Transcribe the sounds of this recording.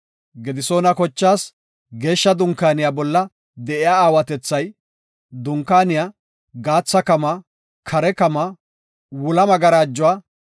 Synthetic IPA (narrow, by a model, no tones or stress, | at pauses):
ɡɛd̪ɪso̞ːnɐkɔt͡ʃːaːs | ɡe̞ːʃːɐd̪ʊŋkːaːnɪjabɔlːɐ | d̪ɛʔɪjaːaːwɐt̪ɛt͡sːɐj | d̪ʊŋkaːnɪjaː | ɡaːt͡sːɐkɐmɐ | kʰɐɾɛkɐmɐ | wʊlɐmɐɡɐɾaːd͡ʒːʊwaː